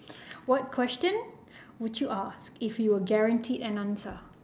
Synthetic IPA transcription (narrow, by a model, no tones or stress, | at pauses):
wɔt̚kʰwɛstə̃n | wudjuʔaskɪfjuwəɡɛɹãntʰidɛ̃nãnsə